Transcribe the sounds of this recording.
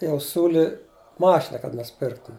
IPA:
jɛʊ ˈsʲuːlʲɪ ˈmɑːʃʲɪnɐ kɐt nʊsʲɪˈpʲɪrktʊm

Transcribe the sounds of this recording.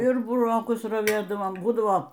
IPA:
ɪr bʊˈroːkʊs rɐˈʋʲeːdɐʋoːm ˈbuːdɐʋoː

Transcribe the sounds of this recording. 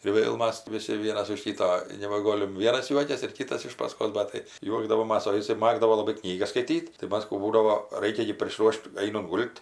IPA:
ɪr ˈʋʲeːlˠ ˈmɐs ˈʋʲɪsʲɪ ˈʋʲiɛnɐs ʊʃ ˈkʲiːtoː ɪr nʲɛbɐˈɡoːlʲɪm ˈʋʲiɛnɐs ˈjuɔkʲɛs ɪr ˈkʲiːtɐs ɪʃ pɐˈskoːs ˈbɐt tɐɪ ˈjuɔɡdɐʋoːmɐs oː ɪˈsɐɪ ˈmɑːɡdɐʋoː ˈlˠɑːbɐɪ ˈknʲiːɡɐs skɐɪˈtʲiːt tɐɪ ˈmɐs ˈkuː ˈbuːdɐʋoː ˈrɐɪkʲɛ ɡʲɪ pʲrʲɪsˈruɔʃt ˈɐɪnʊnt ˈɡʊlˠt

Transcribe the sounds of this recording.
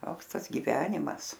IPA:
ˈtoːks ˈtɐs ɡʲɪˈʋʲæːnʲɪmɐs

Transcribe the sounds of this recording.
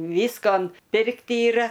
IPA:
ˈʋʲiːskoːn ˈpʲɪrkt iːˈrɐ

